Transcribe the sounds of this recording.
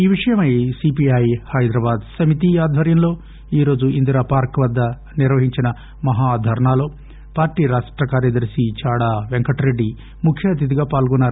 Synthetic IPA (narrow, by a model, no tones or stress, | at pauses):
iːʋiʂɐjɐmɐjsipiɐjhɐjd̪ɾɐːbaːd̪sɐmit̪̬iaːd̪ʱʋɐɾjɐmlo̞ː | iːɾo̞ːd͡ʒuind̪ɾaːpaːɾkʋɐd̪ːɐ | niɾʋɐɦiɲt͡ʃinɐ | mɐɦaːd̪ʱɐɾɐɳaːlo̞ː | paːɾʈːiːɾaːʂʈɾɐkaːɾjɐd̪ɐɾsit͡ʃaːɽaːʋeŋkɐʈɾe̞ɖːi | mukʰjɐːt̪it̪iɡaːpaːlɡɔnːaːɾu